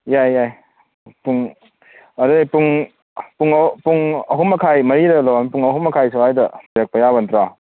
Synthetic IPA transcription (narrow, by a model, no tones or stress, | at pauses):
jajaj | puŋ | ɐdujpuŋ | puŋpuŋɐɦumɐkʰajmɐɾiɾɐlowanpuŋɐɦumɐkʰajs̬oajdɐbiɾek̚pɐjabɐntɾa